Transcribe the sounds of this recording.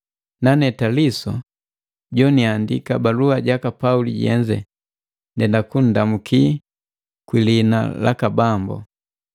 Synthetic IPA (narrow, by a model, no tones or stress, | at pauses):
nanɛtalisɔ | ɟɔniandḭkabaluaɟakapaulḭɟɛ̰ɲd͡ʒɛ̰ | ndɛndakun̩damuki | kwilina̰la̰kabambɔ̰